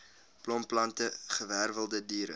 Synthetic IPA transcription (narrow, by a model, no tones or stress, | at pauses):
plɔmplɐntəχəværvəlˠdədiːɾə̰